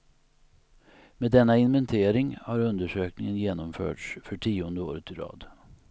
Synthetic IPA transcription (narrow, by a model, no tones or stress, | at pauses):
med̪ɛnːaɪnvɛnt̪ʰeːɾɪŋhaɾɵnd̪əʂøːknɪŋənjeːnɔmfœ̰ːʈʂfœʈʰiːʊnd̪əo̰ːɾət̪ɪɾɑ̰ːd̪